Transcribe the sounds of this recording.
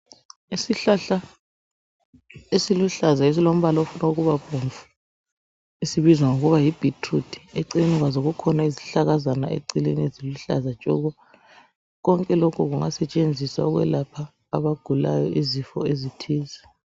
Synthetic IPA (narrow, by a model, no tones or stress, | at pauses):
isiɬaɬa | esiluɬazaes̬ilom̩βalaofunauɣuβaβʱoɱvu̥ | isiβizwaŋoɣuβajib̥ʱitʰrud̥ʰʱʼi̥eǀininiɣwazoɣukʰɔnaezi̥ɬaɣazana̰ʔḛǀilḛnieziluɬa̰zat͡ʃʼɔɣɔ | ɣɔŋkʼɛlokʰuɣuŋasɛt͡ʃʼend͡zʱiswa̰ɣwɛ̰lapʰa̰ː | βaɡ̥ʱula̰jɔʔizifɔ̰ezitʰiːzɛ